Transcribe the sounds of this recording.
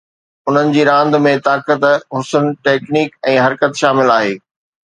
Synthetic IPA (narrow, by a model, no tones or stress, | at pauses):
ʊn̤ənɪ̆d͡ʑiːɾãːnd̪̆mẽt̪aːkət̪ɦʊsənʈeːkniːkɛ̃ːɦɐɾkət̪ʃaːmɪlaːɦeː